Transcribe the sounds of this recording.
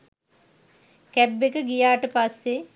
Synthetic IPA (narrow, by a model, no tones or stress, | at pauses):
kæbːekəɡijaːʈəpasːe